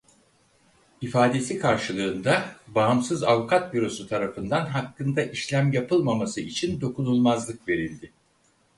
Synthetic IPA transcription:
ifaːd̪e̞sikʰaɾʃɯlˠɯːnd̪abaːmsɯzavukʰat̪viɾo̞sut̪ʰaɾafɯnd̪anɦakːɯnd̪aʔiʃlʲæmjapʰɯlˠmamasɯit͡ʃʰind̪o̞kunulˠmazlˠɯkve̞ɾilʲd̪ɪ

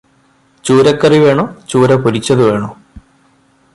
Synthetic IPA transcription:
t͡ɕuːɾɐkːɐriʋe̞ːɳoːt͡ɕuːɾɐpuɾit͡ɕːɐðɨʋe̞ːɳoː

